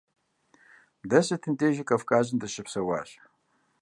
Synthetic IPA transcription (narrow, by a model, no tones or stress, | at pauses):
dɐsɐtʰɨntʼeːʒɪkʼɐfkʼaːʑɨndɨɕɪpsɐwa̰ːɕ